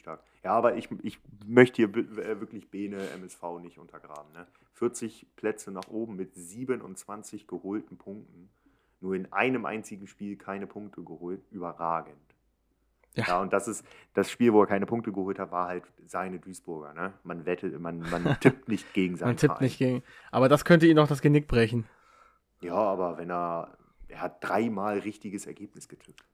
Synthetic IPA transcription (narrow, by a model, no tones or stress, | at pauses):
taːɐk | jaːaːbɐʔɪçʔɪçmœçtəhiːɐbɛvɪɐklɪçb̥eːnəʔɛ̰mɛsfaʊnɪçtʔʊ̰ntʰɐɡʁa̰ːb̚m̩nə | fɪɐt͡sɪçpʰl̥ɛt͡sənaːχʔoːbm̩mɪtziːbənʊ̰nt͡sv̥ant͡sɪçɡ̥əhoːltn̩pʰʊŋk̚tn̩ | nuːɐɪnʔa̰ɪnəmʔa̰ɪnt͡sɪɡŋ̩ʃpiːlkʰaɪnəpʰʊŋk̚tʰəɡəhoːltʔyːbɐʁaːɡənt | jajaːʊntd̥asɪstd̥asʃpiːlvoːeːɐkʰaɪnəpʰʊŋk̚təɡəhoːlthatv̥aːɐhalt | z̥aɪnədyːsb̥ʊɐɡɐ̰nəmanvɛtʰəmanmantʰɪp̚tnɪçt̚ɡ̥eːɡŋ̩zaɪmantʰɪtnɪçtɡ̥eːɡŋ̩ʔaːbɐdaskʰœntəiːndɔχd̥as̬ɡ̥ənɪk̚b̥ʁɛçn̩ | jaːʔaːbɐvɛneːɐ | ʔeːɐhat̚d̥ʁaɪmaːlʁɪçtɪɡəsɛɐɡeːpnɪsɡ̥ətʰɪp̚t